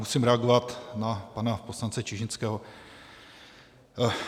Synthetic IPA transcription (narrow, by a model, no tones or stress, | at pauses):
usimɾɛaɡovat̪napanaposlant͡sɛt͡ʃɪʒɪnt͡skɛːɦo